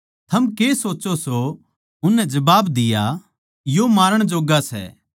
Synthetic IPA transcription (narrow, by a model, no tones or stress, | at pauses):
t̪ʰɐmkeːsoːt͡ʃoso | ʊnːɛ̃d͡ʒɐbaːbd̪ɪja | jomaːɾəɽ̃d͡ʒoːɡasɛ̰ː